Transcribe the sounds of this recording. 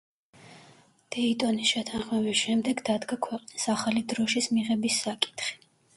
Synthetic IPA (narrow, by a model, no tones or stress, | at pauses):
d̪̥ɛit̪ʼɔnisʃɛt̪ʰaʁmɛbisʃɛmd̪ɛɡd̪ad̪ɡakʰwɛqʼnisaχalid̪ɾɔʃismiʁɛbisːakʼi̥t̪ʰχi̥